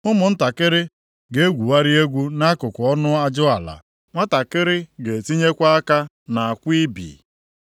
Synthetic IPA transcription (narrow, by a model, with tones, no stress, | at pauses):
ʊ˦mʊ˨n̩˦ta˨kɪ˦ɾɪ˦ | ɡe˦ɡʷu˨wa˦ɾɪ˦e˦ɡʷu˦na˦kʊ˨kʷʊ˨˦ɔ˦nʊ˦a˦d͡ʒʊ˦a˨la̰˨ | ŋʷa˦ta˨kɪ˦ɾɪ˦ɡe˨ti˦ɲe˦kʷa˦a˦ka˦ | na˨a˨kʷi˦bḭ˨